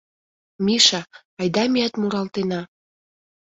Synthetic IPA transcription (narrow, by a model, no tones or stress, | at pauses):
miʃɑ | ɑjd̪ɑmiæt̪muɾɑlt̪enɑ